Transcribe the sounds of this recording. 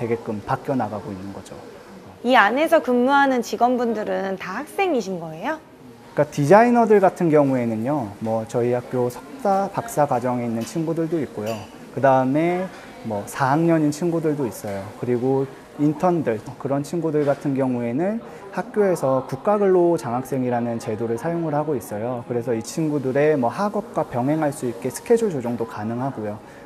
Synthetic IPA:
te̞ɡe̞k͈ɯmpak͈jʌnaɡaɡoinːɯnɡʌd͡ʑo̰ | iane̞sʰʌkɯmːuɦanɯnt͡ɕiɡʌnbundɯɾɯntahak̚s͈e̞ŋiɕʰinɡʌe̞jo | k͈atid͡ʑainʌdɯɭɡatʰɯnɡjʌŋue̞nɯnjomwʌt͡ɕʌihak̚k͈josʰʌ̥k̚t͈apak̚s͈akwad͡ʑʌŋe̞inːɯnt͡ɕʰinɡudɯɭdoik̚k͈ojo | kɯdaɯme̞ | mwʌsʰaŋɲʌɲint͡ɕʰinɡudɯɭdois͈ʌjokɯɾiɡo | intʰʌndɯɭkɯɾʌnt͡ɕʰinɡudɯɭɡatʰɯnɡjʌŋue̞nɯn | hak̚k͈joe̞sʰʌkuk̚k͈aɡɯɭːot͡ɕaŋɦak̚s͈e̞ŋiɾanɯnt͡ɕe̞doɾɯɭsʰajoŋɯɭɦaɡois͈ʌjokɯɾe̞sʰʌit͡ɕʰinɡudɯɾe̞mʌɦaɡʌp̚k͈wapjʌŋɦe̞ŋɦaɭs͈uik̚k͈e̞sʰɯ̥kʰe̞d͡ʑoɭd͡ʑod͡ʑoŋdokanɯŋɦaɡojo

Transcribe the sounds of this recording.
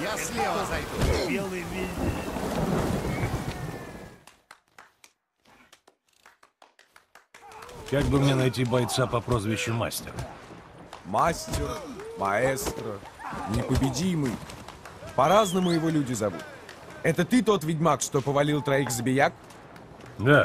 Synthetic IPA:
jaslʲeɐjd̪bʲelˠɨjvʲilʲnʲ | kaɡ̚bɨmnʲenɐjtʲibɐjt̪sapɐpɾozvʲɪɕːʊma̰sʲtʲɪ̰r | masʲtʲɪrmɐɛst̪ɾə | nʲɪpəbʲɪdʲimɨj | pɐɾaznəmʊjɪvo̞lʲudʲɪzɐvṵt̪ | ɛt̪ət̪ɨt̪o̞t̪vʲɪdʲmakʂt̪o̞pəvɐlʲilˠt̪ɾɐixzəbʲɪjak̚ | d̪a

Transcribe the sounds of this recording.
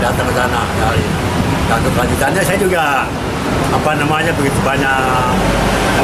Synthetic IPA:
dat̪əŋət̪anadali | dat̪upəad͡ʒit̪anɲasajad͡ʒuɡa | apanamaɲabəɡit̪ubaɲaʔ

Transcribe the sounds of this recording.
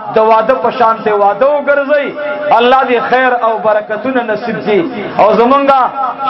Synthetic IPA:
d̪əwɑd̪əpəʃɑnt̪ewɑd̪əwʊɡəɾzəjalːɑd̪exejɾawbaɾakat̪unanasibd̪iawzamuŋɡa

